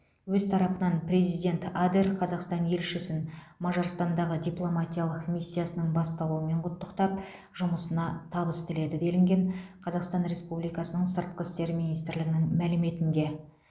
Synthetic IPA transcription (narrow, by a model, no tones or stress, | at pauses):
wɵzt̪ʰɑɾɑpənɑnpɾʲe̞zijd̪ʲe̞nt̪ad̪erqʰɑzɑqst̪ɑnje̞lʃɪsɪnmɑʒoɾst̪ɑnd̪ɑʁəd̪ʲiplˠo̞mat̪ʲijalˠəqmisʲːijasənəɴbɑst̪ɑlˠuəme̞ɴqʰʊt̪ːəqt̪ɑp̚ | ʒ̥ʊməsənɑt̪ʰɑbəst̪ɪle̞d̪ɪd̪e̞lɪŋɡʲe̞ɴqʰɑzɑqst̪ɑnɾe̞spublijkɑsənəɴsəɾt̪̚qəst̪e̞ɾminijst̪ɪɾlɪɡʲɪnɪŋmælɪme̞t̪ɪnd̪e̞